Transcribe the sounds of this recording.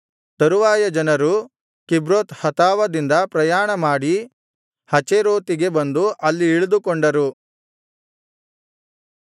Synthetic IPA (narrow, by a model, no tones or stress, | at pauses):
t̪ɐɾuʋaːjɐd͡ʒɐnɐɾu | kibɾoːt̪hɐt̪aːʋɐd̪ind̪ɐpɾɐjaːɳɐmaːɽi | hɐt͡ʃeɾoːt̪iɡe̞bɐnd̪uʔɐlːiːɭud̪ukoɳɖɐɾu